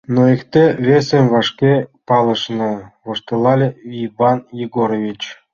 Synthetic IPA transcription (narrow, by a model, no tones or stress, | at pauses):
noekt̪ʲevʲesʲĕmʲvɑʂkʲepɑlˠɤ̆ʃnɤ̆voʂt̪ɤlˠɑlʲeivɑnjeɡoɾovʲit͡ɕ